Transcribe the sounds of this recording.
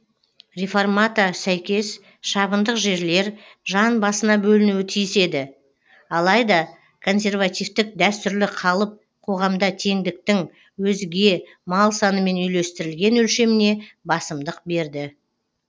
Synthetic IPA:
ɾʲefo̞rmat̪asæjkʲe̞s | ʃɑβənd̪əqʒe̞ɾle̞ɾʒɑnbɑsənɑbɵlɪnuwɪt̪ʰijɪse̞d̪ɪ | ɑlˠɑjd̪ɑ | kʰo̞nsʲe̞rvat̪ʲijft̪ɪk̚d̪æst̪ʏɾlɪqʰɑlˠəp̚ | qʰo̞ʁɑmd̪ɑt̪ʰe̞ŋd̪ɪk̚t̪ɪŋ | wɵzɡʲe̞ | mɑlˠsɑnəme̞nʏjle̞st̪ɪɾɪlɡʲe̞nɵlʃe̞mɪne̞bɑsəmd̪əq̚be̞ɾd̪ɪ

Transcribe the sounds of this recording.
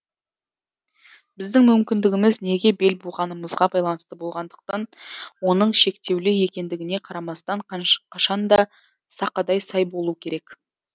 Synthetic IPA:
b̥ɪzd̪ɪŋmʏmkʲɪnd̪ɪɡʲɪmɪzne̞ɡʲe̞be̞lbuʁɑnəməzʁɑbɑjlˠɑnəst̪əbo̞lˠʁɑnd̪əq̚t̪ɑnwo̞nəɴʃe̞kt̪e̞wlɪje̞kʲe̞nd̪ɪɡʲɪne̞qʰɑɾɑmɑst̪ɑɴqʰɑʃɑnd̪ɑ | sɑqɑd̪ɑjsɑjbo̞lˠuəkʲʰe̞ɾe̞k

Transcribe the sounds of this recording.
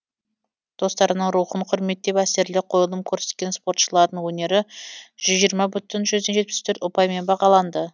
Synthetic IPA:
d̪̥o̞st̪ɑɾənəɴɾuχəɴqʰʊɾme̞t̪ːe̞pæse̞ɾlɪqʰo̞jəlˠəmkʲʰɵɾse̞t̪̚kʲe̞nspo̞ɾt̪ʃəlˠɑɾd̪əɴwɵne̞ɾɪʒ̥ʏzʒijəɾmɑbʏt̪ɪnʒʏzd̪enʒe̞t̪̚pɪ̥st̪ʰɵɾt̪ʊpɑjme̞nbɑʁɑlˠɑnd̪ə

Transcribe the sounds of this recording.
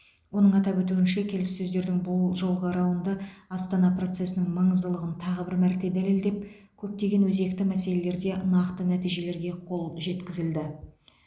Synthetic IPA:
wo̞nəɴɑt̪ɑpwɵt̪uɪnʃekʲʰe̞lɪssɵzd̪e̞ɾd̪ɪŋbʊlˠʒolˠʁɑɾɑwənd̪əɑst̪ɑnɑpro̞t̪se̞sɪnɪŋmɑɴəzd̪əlˠəʁənt̪ʰɑʁəbɪɾmæɾt̪e̞d̪æle̞ld̪e̞p̚kʲʰɵp̚t̪e̞ɡʲe̞nwɵze̞kt̪ɪmæse̞le̞le̞ɾd̪e̞nɑqt̪ənæt̪ijʒe̞le̞ɾɡʲe̞qʰo̞lˠʒe̞t̪kʲɪzɪld̪ɪ

